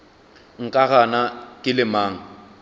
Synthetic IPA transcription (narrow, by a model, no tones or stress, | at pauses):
ŋ̩kʼaɣanakʼɪlɪmaːŋ̩